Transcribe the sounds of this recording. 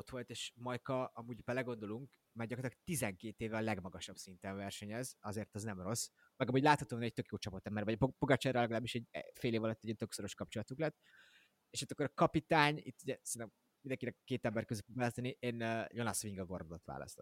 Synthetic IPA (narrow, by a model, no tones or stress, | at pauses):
ot̪ʋo̞lt̪eːʃmɒjkɒʔɒmuːɟbɛlɛɡo̞nd̪o̞luŋk | mɛrɡɟɒkoɾt̪ɑk̚t̪izɛŋkeːt̪eːvɛːlɛɡmɒɡɒʃɒbsint̪ɛɱvɛrʃɛɲɛzɒzeːrt̪ɒznɛmro̞s | mɛɡɒmuːɟʲlaːt̪hɒt̪oːnɛc̚t̪økjoːt͡ʃɒpot̪ːɛmːɛɾvɒpopoɡɑt͡ʃɛrɛlɛɡɒlaːbiʃɛɟ̰feːleːvɒlɒt̪ːɛɟɛnt̪ø̞kso̞ɾo̞ʃkɒp̚t͡ʃo̞lɒt̪uklɛt̪ː | eːʃɒt̪ːɑkːoɾɒkɒpit̪aːɲḭt̪ːuɟɛsɛnɛm | mind̪ɛŋkinɛkːeːt̪ɛmbɛɾrkøzyfoɡvaːlɒst̪ɒniʔeːnːjonɑsʋiŋɡɒɡo̞rmod̪ot̪ʋa̰ːlɒ̰st̪ot̪ː